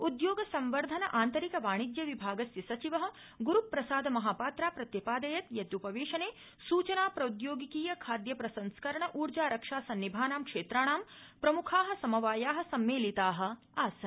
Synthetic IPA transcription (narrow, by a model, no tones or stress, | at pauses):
ud̪joːɡɐsɐmʋɐɾd̪ʱɐnɐʔaːnt̪ɐɾikɐʋaːɳ̃id̪jɐʋibʱaːɡɐsjɐsɐt͡ʃiʋɐɦɐ̆ | ɡuɾupːɾɐsaːd̪ʱɐmɐɦaːpaːt̪ɾaːpɾɐt̪jɐpaːd̪ɐjɐt̪jɐd̪upɐʋeːʃɐneː | suːt͡ʃɐnaːpɾɐud̪joːɡikiːjɐkʰaːd̪jɐpɾɐsɐ̃nskɐɾɐɳ̃ɐʔuːɾd͡ʒaːɾɐkʂaːsɐnːibʱaːnaːmkʂeːt̪ɾaːɳ̃aːmpɾɐmukʰaːɦɐ̆sɐmɐʋaːjaːɦɐ̆sɐmːeːlit̪aːɦɐ̆ | aːsɐ